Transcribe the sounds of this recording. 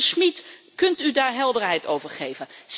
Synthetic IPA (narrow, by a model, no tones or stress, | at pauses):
smit | kɵntydaːɹɦɛlˠdəɹɦɛjtowvəɹχejvənz̥